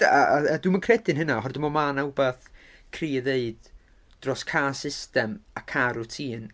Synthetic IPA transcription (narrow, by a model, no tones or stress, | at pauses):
aaadwɨmənkʰrɛdɨnɦənaɦɔrdɪmɔmanaʊbaθ | kʰriːðeɨd̥ | d̥rɔskʰaːsɪstɛmakʰaɾutʰiːn